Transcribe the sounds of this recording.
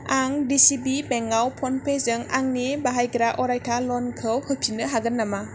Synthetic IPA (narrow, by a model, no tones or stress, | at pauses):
aŋdisibibeŋawpʰɔnpʰezɯŋa̰ŋnibaɦajɡɾaʔɔɾajtʰalɔnkʰɯwhɯpʰinɯɦaɡɯnːama